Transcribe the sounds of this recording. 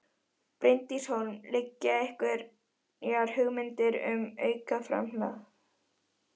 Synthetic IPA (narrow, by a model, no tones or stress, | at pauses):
pɾɪnt̪isɔnlɪcːaɛhkvɪɾ | ɛaɾ̥hʏɣmɪnt̪ɪɾʏ̰mœːɥkafɾa̰mla